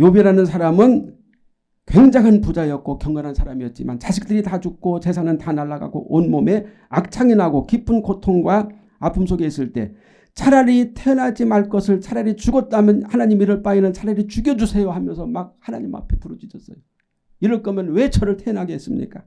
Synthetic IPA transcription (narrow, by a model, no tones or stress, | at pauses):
jobiɾanɯnsʰaɾamɯn | kwe̞ŋd͡ʑaŋanpud͡ʑaejʌk̚k͈okjʌŋɡanɦansʰaɾamiʌt̚t͡ɕ͈ima̰nt͡ɕaɕʰi̥k̚t͈ɯɾitad͡ʑuk̚k͈ot͡ɕe̞sʰanɯntanaɭːaɡa̰ɡo̰ʔonmome̞ | ak̚t͡ɕʰaŋinɦaɡokip͈ʰunkotʰoŋɡwa | apʰɯmsʰoɡeis͈ɯɭt͈e̞̰ | t͡ɕʰaɾaɾitʰe̞ʌnɦad͡ʑimaɭk͈ʌsʰɯɭt͡ɕʰaɾaɾit͡ɕuɡʌt̚t͈amjʌnhanaɲimiɾɯɭp͈ainɯnt͡ɕʰaɾaɾit͡ɕuɡjʌd͡ʑusʰe̞joɦamjʌnsʰʌmak̚hanaɲima̰pʰe̥pʰuɾʌd͡ʑid͡ʑʌs͈ʌjo | iɾɯɭk͈ʌmjʌnwe̞t͡ɕʰʌɾɯɭtʰe̞ʌnɦaɡees͈ɯmɲḭk͈a